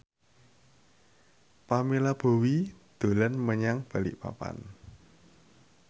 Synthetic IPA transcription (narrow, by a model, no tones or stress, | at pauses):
pamilab̥o̤wid̪̥o̤lənməɲaŋb̥a̤lḭʔpa̰pa̰n